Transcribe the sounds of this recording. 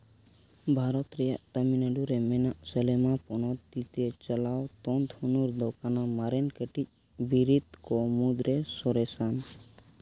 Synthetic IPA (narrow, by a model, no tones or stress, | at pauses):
bʱaɾɔt̪ɾɛjaʔt̪aminəɖuɾɛmɛnaʔsəlɛmapɔñɔt̪it̪ɛt͡ʃəlawt̪ɔnt̪ʰunuɾd̪ɔkanamaɾɛnkəʈic̚ | biɾit̪kɔmud̪ɾɛsɔɾɛsan